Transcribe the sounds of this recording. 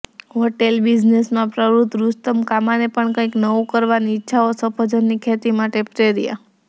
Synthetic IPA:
ɦoʈelbid͡ʒnesmãpɾəʋɾut̪ɾust̪əmkamanepəɳkə̃ĩknəũkəɾʋaniːtːʃʰaosəpʰəd͡ʒənːikʰet̪imaʈepɾeɾija̰

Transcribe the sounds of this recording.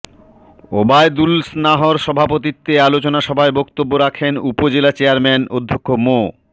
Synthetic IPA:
obaed̪ulsnaɦoɾʃɔbʱapot̪̬it̪ːealot͡ɕonaʃɔbʱaebɔkt̪obːoɾakʰenupod͡ʑelat͡ɕeaɾmɛnod̪ʱːokʰːomo

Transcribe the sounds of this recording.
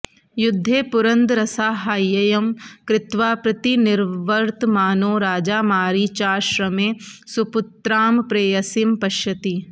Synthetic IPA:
jʊd̪ʱːeːpʊɾɐ̃nd̪ɾɐsaːɦaːjːɐjɐmkɾɪt̪ʋaːpɾɐt̪inɪɾʋɐɾt̪maːnoːɾaːd͡ʒaːmaːɾit͡ʃaːʃɾɐmeːsʊpʊt̪ɾaːmpɾeːjɐsɪmpɐʃjɐt̪i

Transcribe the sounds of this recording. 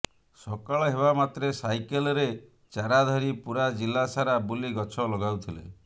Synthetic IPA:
sɔkaɭɔɦebamat̪ɾesajkelɔɾe | t͡ʃaɾad̪ʱɔɾipuɾad͡ʒilːasaɾabuliɡɔt͡ʃʰɔlɔɡawt̪ʰilḛ

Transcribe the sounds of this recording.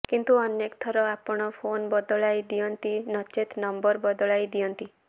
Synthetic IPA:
kint̪uɔnjekt̪ʰɔɾɔapɔɽ̃ɔpʰonbɔd̪ɔɭajd̪iɔnt̪inɔt͡ʃet̪nɔmbɔɾbɔd̪ɔɭajd̪ijɔnt̪i

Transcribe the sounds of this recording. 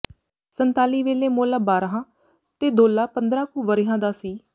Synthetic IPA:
sənt̪aːliːʋeːleːmoːlaːbaːɾaɦãː | t̪eːd̪oːlaːpənd̪ɾãːkũːʋəɾɪɦãːd̪aːsiː

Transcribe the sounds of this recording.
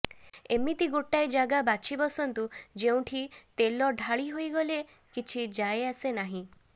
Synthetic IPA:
emit̪iɡoʈːajd͡ʒaɡabat͡ʃʰibɔsɔnt̪ud͡ʒeũʈʰit̪elɔɖʱaɭiɦojɡɔle | kit͡ʃʰid͡ʒaeasenaɦĩ

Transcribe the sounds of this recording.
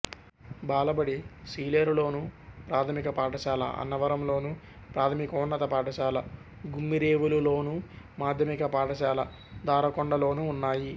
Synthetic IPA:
baːlɐbɐɽisiːleːɾulo̞ːnupɾaːt̪ʰɐmikɐpaːʈɐʃaːlɐ̰ɐ̰nːɐʋɐɾɐmlo̞ːnu | pɾaːt̪ʰɐmikoːɳːɐt̪ɐpaːʈɐʃaːlɐ | ɡumːiɾeːʋululo̞ːnu | maːd̪ʱjɐmikɐpaːʈɐʃaːlɐ | d̪aːɾɐkoɳɖɐlo̞ːnuːnːaːji

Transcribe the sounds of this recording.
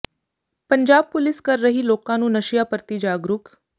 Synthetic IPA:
pəɲd͡ʑab̚puliskəɾːəɦiːloːkãnuːnəʃijapəɾt̪iːd͡ʒaɡɾuːk

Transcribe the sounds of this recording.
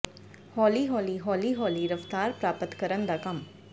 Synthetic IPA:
hɔːliːɦɔːliːɦɔːliːɦɔːliːɾəft̪aːɾpɾaːpət̪kɐɾənd̪akɐm

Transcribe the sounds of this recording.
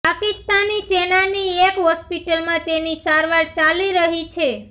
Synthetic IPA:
pakist̪anisenaniekɦɔspiʈəlmãt̪enisaɾʋaɾt͡ʃaliɾəɦit͡ʃʰe

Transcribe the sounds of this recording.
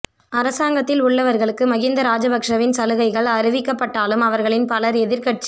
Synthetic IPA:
ɐɾɐsaːŋɡɐt̪ːɪlʊɭːɐʋɐɾɣɐɭɯkːɯmɐɣɪnd̪ɐɾaːd͡ʒɐbɐkʂɐʋɪnsɐlɯɣɐɪɣɐɭɐɾɪʋɪkːɐpːɐʈːaːlɯmɐʋɐɾɣɐɭɪnpɐlɐɾɛðɪɾkɐʈ̚t͡ʃi̥

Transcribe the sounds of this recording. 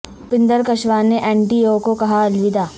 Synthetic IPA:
pɪ̃nd̪əɾkɐʃʋaːneʔɛ̃ːɳʈiːokokɐɦaɐlʋɪd̪aː

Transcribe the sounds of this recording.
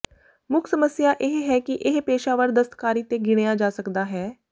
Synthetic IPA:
mʊkʰsəməsjaːʔeɦɦɛːkɪʔɪɦpeːʃaːʋəɾd̪əst̪ə̥kaːɾiːt̪eːɡɪɽ̃ejaːd͡ʒaːsəkd̪aːɦɛː

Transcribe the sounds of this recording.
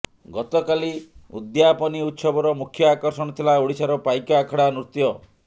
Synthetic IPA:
ɡɔt̪ɔkaliṵd̪japɔniut̪sɔbɔɾɔmukʰjɔakɔɾsɔɽ̃ɔt̪ʰilaoɽisaɾɔpajkɔakʰɔɽanɾut̪jɔ

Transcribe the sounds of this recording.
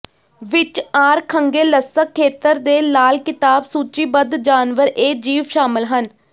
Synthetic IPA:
ʋɪt͡ʃaːɾkʰəŋɡeːləsəkʰːeːt̪əɾd̪eːlaːlkɪt̪aːbsuːt͡ʃiːbəd̪d͡ʒaːnʋəɾeːd͡ʒiːʋʃaːmɪlɦən

